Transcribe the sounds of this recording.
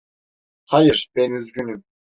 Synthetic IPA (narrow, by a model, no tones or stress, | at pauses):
hajɯɾb̥enyzɡʲynym